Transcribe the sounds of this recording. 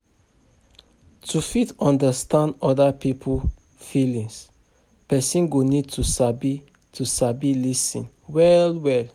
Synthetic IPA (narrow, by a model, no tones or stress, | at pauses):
tʰufitɔ̃ndastãndɔdapipʰul | filĩŋs | pɛsĩnɡonid̚tʰusabi | tʰusabilisḭ̃n | wɛlwɛl